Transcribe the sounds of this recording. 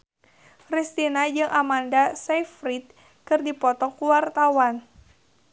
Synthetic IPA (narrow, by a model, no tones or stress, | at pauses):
pɾist̪inad͡ʒɨŋʔamandasɛfɾit̪̚ | kɨrdipɔt̪ɔkuwart̪awan